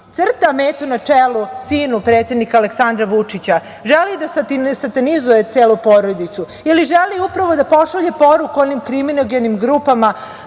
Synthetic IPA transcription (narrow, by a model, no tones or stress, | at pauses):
t̪sr̩t̪ameːt̪unat͡ʂelusiːnupɾeːt̪sjed̪nikaleksand̪ɾaʋut͡ʂit͡ɕa | ʒelid̪asasat̪anizujet̪seːlupoːɾod̪it̪su | iliʒeliupɾaʋo̞d̪apo̞ʃaʎe̞po̞ɾukuonimkɾiminoɡenimɡɾuːpama